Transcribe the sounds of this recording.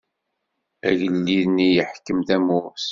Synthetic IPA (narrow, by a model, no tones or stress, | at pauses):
æʝəlːiðnːijəħkːəmθæmʊɾs